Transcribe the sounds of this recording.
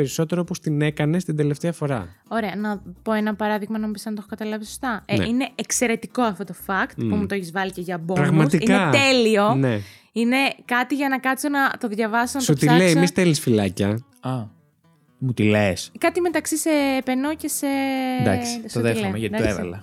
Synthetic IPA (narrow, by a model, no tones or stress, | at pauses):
eɾiso̞t̪eɾoopost̪ine̞kɐne̞st̪ind̪e̞left̪eɐfo̞ɾɐ̰o̞ɾe̞ɐnɐpo̞enɐpɐɾɐðiɣmɐnɐmupisɐnɐt̪o̞xokɐt̪ɐlɐviso̥st̪ɐn̰ine̞ekse̞ɾe̞t̪iko̞ɐft̪o̞t̪o̞fɐkt̪pumut̪oeçizvɐliceʝɐbopɾɐɣmɐtsiikneɐt̪e̞lio̞ne | ine̞kɐt̪iʝɐnɐkɐt̪sonɐt̪o̞ðʝɐvɐsisnɐtot̪ileimist̪elisfilɐcɐ | ɐ | mut̪ileskɐt̪imet̪ɐksise̞penoce̞se̞d̪ɐ̰kssoðeleɐt̪id̪ɐeɐ̰lɐ̰